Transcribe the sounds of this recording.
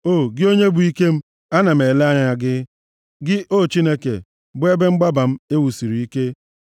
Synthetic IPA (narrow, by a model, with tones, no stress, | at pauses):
o˦˨ɡɪ˦o˦ɲe˦bʊ˨i˦ke˦m̩˦ | a˦na˨m̩˨e˨le˦a˦ɲa˦ɲa˨ɡɪ˦ | ɡɪ˦ʔo˦˨t͡ʃi˦ne˦kḛ˨ | bʊ˦e˦be˦ŋ͡m̩˦ɡ͡ba˦ba˨m̩˦e˦wu˨si˨ɾi˨i˦ke˦